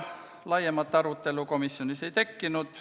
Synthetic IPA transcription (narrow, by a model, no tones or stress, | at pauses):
lɑjemːɑt̪ːɑɾut̪ːe̞luko̞misːjonisejt̪e̞kːinut̪